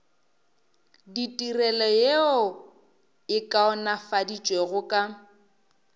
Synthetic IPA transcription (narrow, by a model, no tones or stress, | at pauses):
ditʼirɛlɔjeʊ | ɪkʼaɔnafadit͡ʃʼweɣʊkʼa